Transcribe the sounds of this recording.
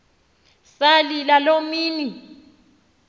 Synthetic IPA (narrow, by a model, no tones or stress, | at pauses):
salilalomiːni